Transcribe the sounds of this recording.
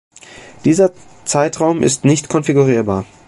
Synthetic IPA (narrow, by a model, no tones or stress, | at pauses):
d̥iːzɐt͡saɪtʁ̥aʊmʔɪ̰stnɪçtkʰɔnfiɡuʁ̞iːɐbaːɐ